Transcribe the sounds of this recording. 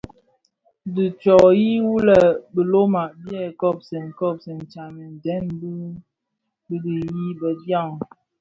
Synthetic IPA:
di˨t͡ʃɔ˨ji˦wu˦lə˨bə˨lo˦ma˨ʔbjɛ˦˨kɔ˦˨p̚sɛ˨ŋ̩˨kɔ˦˨p̚sɛ˨n̩˨t͡ʃa˨nə˨n̩˨dɛ˨˦nbi˦ | bi˦di˨ji˦bə˨dja˦˨ŋ

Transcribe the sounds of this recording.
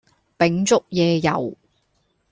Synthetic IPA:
pɪ˨˥ŋt͡sʊ˥k̚jɛː˨˧jɐ̰˨˩w

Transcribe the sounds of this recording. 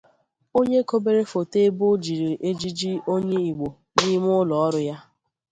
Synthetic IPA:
o˦ɲe˦ko˦be˦ɾe˦fo˨te˦bʊ˦d͡ʒi˨ɾi˨ʔe˦d͡ʒi˦d͡ʒi˦o˦ɲe˦i˨ɡ͡bo˨ | ni˦m˦ʊ˦lɔ˨ɔ˦ɾʊ˦ja˦

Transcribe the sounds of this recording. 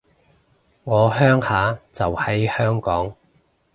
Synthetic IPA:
ŋɔː˨˧ɦœː˥ŋhaː˨˥t͡sɐ˨whɐ˨˥jhœː˥ŋkɔː˨˥ŋ

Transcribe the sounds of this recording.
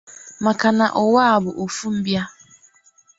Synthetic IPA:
ma˨ka˨na˨ʔɔ˨wa˦a˨bʊ˨ʔo˨fu˦m̩˦bja˦

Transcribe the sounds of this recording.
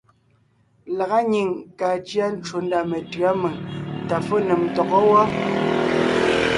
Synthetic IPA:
la˨ɣa˦ɲi˨ŋka˨t͡ʃja˦n˦t͡ʃo˨n˦da˨me˨tɰa˦me˨ŋta˨fo˦ne˨mtɔ˨ɣɔ˦wɔ˦

